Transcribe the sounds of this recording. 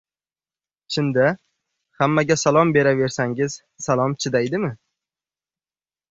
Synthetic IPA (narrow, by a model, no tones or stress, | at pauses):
t͡ʃʰɪnd̪a | hamːaɡʲasalˠɒmbe̞ɾave̞ɾsaŋʲɪz̥ | salˠɒmt͡ʃʰɪd̪ajd̪ɪmɪ